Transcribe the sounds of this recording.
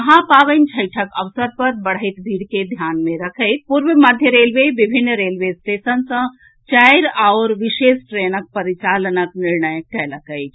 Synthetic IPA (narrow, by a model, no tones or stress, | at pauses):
əɦãpaːʋənt͡ʃʰəɪʈʰəkəʋsəɾpəɾbəɽ̤əɪt̪bʱiːɽked̪ʱjaːnmẽɾəkʰəɪt̪̚puɾʋəməd̪ʱjəɾeːlʋeʋɪbʱɪnːɾeːlʋesʈ̪eːsənsə̃ | t͡ʃaɪɾaʊɾʋɪʃeːsʈɾeːnək̚pəɾit͡ʃaːlənəknɪɾnəjkɛləkʰəɪt̪